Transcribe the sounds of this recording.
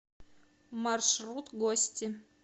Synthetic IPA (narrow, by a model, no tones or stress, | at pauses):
marʃrɾut̪ɡosʲtʲɪ